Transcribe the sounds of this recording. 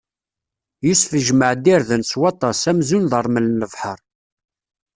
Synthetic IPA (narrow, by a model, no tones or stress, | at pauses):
jusfəʒməʕd̪iɾðənswɑt̪ˤɑsæmzunðəɾˤməlnəvħəɾˤ